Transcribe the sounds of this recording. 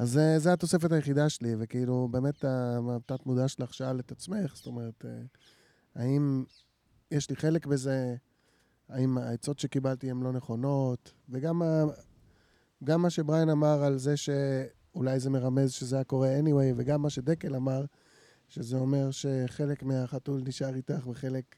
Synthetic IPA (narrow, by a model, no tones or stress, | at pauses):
ʔazezeat̪o̞se̞fetajeχidaʃelivekeilube̞ːme̞taat̪atmud̪aʃelaχʃaalet̪at͡smeχst̪o̞meʁet̪e | aim | jeʃliχe̞le̞kbe̞ze̞ | aimaet͡so̞tʃe̞kibalt̪iemlo̞neχo̞no̞tveɡama | ɡamːaʃe̞bʁajanamaʁalze̞ʃe | ulajze̞me̞ʁame̞zʃezejako̞ʁeeniwejveɡamːaʃedekelamaʁ | ʃezeo̞me̞ʁʃe̞χe̞le̞kmeaχatulniʃaʁitaχbeχe̞lek